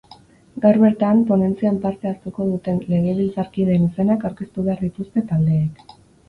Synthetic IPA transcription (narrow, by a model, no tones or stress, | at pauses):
ɡawɾβe̞ɾt̪ampo̞ne̞nt͡siampaɾt̪e̞ast̪uko̞ð̞ut̪e̞nle̞ɣe̞βilt͡saɾkiðenise̞nakawɾke̞st̪uβeaɾðit̪ust̪e̞t̪ald̪e̞ːk